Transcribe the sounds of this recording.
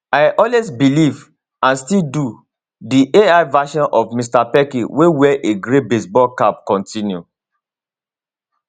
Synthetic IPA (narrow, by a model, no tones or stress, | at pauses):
aɪʔɔlwesbiliv | ãnstildu | diʔeaɪvaʃɔ̃nʔɔvmistapɛkĩwewɛʔeɡɹebesbɔlkap̚kɔ̃ntĩnjṵ